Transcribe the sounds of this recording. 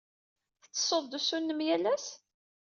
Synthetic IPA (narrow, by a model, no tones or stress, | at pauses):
θət͡sːsˤoðˤd̪usunːəmjælæs